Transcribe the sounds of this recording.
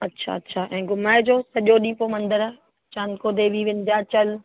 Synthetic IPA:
ɐtːɕʰa̰ɐtːɕʰaːʔɛ̃ːɡʊmaːɪd͡ʑoːsɐʄoɗĩːpomɐ̃nd̪əɾa | t͡ɕãːnkod̪ʱeːbʱiʋɪ̃nt̪ijaːt͡ɕɐl

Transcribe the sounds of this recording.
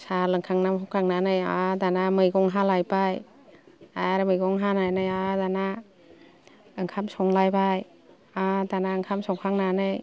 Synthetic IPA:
salɯŋkʰaŋnamɦɔkʰaŋnanɯjadanamɯjɡɔŋɦalajpaj | aɾamɯjɡɔŋɦananɯjadana | ɯŋkʰamsɔŋlajbaj | adanaɯŋkʰamsɔŋkʰaŋnanɯj

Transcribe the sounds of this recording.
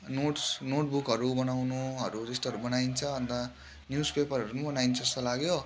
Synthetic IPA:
noʈsnoʈ̚bukɦʌɾubʌnawnuɦʌɾud͡zʌst̪ʌɦʌɾubʌnaint͡sʰʌʌnd̪ʌ | njuspepʌrʌɾunubʌnaint͡sʰʌʌst̪ʌlaɡjo

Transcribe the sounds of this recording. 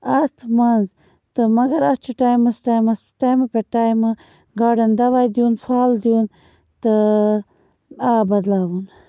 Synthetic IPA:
ɐt̪ʰmɐnz | t̪ɨmɐɡɐɾɐst͡ʃʰuʈaːjmɐsʈaːjmɐsʈaːjmɐpeʈaːjmɐ | ɡaːɖɐnd̪ɐʋaːjd̪juːnpʰaːld̪ijuːn | t̪ɨ | abɐd̪laːwun

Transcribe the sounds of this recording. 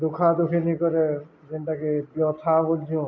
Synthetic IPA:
d̪ukʰad̪ukʰenikɔɾe | d͡ʒenʈakebjɔt̪ʰabold͡ʒiũ

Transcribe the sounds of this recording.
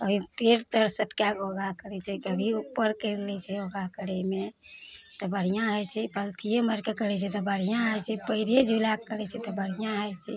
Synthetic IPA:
əbipeɾt̪əɾsəʈkakoɡakəɾɛt͡ʃʰɛkəbʱiupːəɾkəɾlɛt͡ʃʰɛoɡakəɾɛme | t̪ɔbəɽ̤ijãɦəjt͡ʃʰɛpəlt̪ʰijoməɾkekəɾɛt͡ʃʰɛt̪ɔbəɽ̤ijãɦəjt͡ʃʰɛpəiɾed͡ʒʱulakəɾɛt͡ʃʰɛt̪ɔbəɽ̤ijãɦəjt͡ʃʰɛ

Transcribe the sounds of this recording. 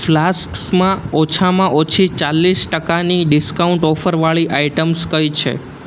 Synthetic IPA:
flasksmãɔt͡ʃʰamãʔot͡ʃʰit͡ʃalːisʈəkaniɖɪskauɳʈɔfəɾʋaɭiʔaiʈəmskəjt͡ʃʰḛ

